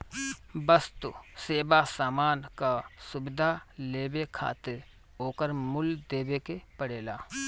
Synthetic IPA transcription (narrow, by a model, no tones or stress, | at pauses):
bəst̪useːbasaːmaːnkasʊbɪd̪ʱaleːbekʰa̰ːt̪ɪɾ | oːkəɾmʊld̪eːbekepəɽeːlaː